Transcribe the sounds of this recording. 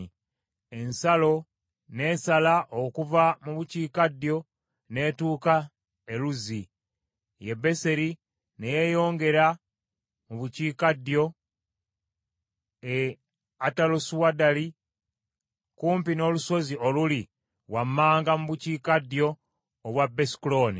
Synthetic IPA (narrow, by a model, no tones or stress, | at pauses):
e̞nsalo̞ | ne̞ːsalaʔokuvamuβuciːkadjo̞ | ne̞ːtuːka | e̞luzi | je̞bːe̞se̞ɾi | neje̞jo̞ːŋɡe̞ɾa | muβuciːkadjo̞ | e | atalosuwadali | kuːmpino̞ːluso̞zio̞luli | wamːaːŋɡamuβuciːkadjo̞ː | βwabːesi̥klo̞ːnḭ